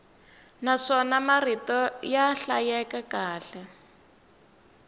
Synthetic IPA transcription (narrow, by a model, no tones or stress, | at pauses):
naʂɔnamaritɔjaɬajɛkɛkaːɬɛ